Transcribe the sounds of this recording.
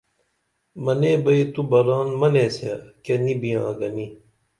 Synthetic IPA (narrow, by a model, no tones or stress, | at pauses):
mɐneːbɐit̪ubɐɾaːnmɐneːsekenibijãːɡɐni